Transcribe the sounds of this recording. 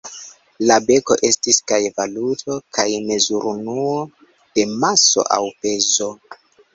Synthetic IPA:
labe̞ko̞̰ʔe̞stiskajevalutʰo̞kʰajme̞zuɾunuo | d̥e̞maso̞̰ʔa̰wpe̞zo̞

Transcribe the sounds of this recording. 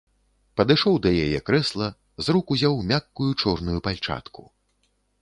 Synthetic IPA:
pɐd̪ɨʂɔwd̪ɐjajɛkɾɛslˠɐ | zɾukuzʲawmʲakːujut͡ʂɔrnujupalʲt͡ʂa̰t̪kʰu

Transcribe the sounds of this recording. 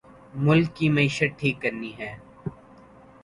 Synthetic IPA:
mʊlkːimɐiːʃət̪̚ʈʰiːkːɐɾniɦɛː

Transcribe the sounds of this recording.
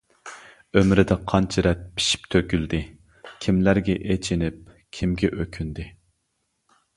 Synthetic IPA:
ømɾɪd̪ɪqʰɑnt͡ʃʰiɾɛt̪̚pʰi̥ʃi̥p̚t̪ʰøkʲyld̪ɪ | kʲʰimlæɾɡʲɛʔet͡ʃʰinɪp̚ | kʲʰimɡʲɛʔøkʲʰynd̪ɪ

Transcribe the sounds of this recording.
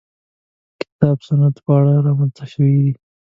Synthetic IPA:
kɪ̥t̪ɑbsanat̪pəaɽaɾɑmanst̪aʃəwid̪i

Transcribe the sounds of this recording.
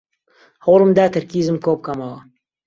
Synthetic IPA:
hɐwlɨmd̪aːt̪ʰɨɾkiːzɨmkowp̚kɐmɐwɐ

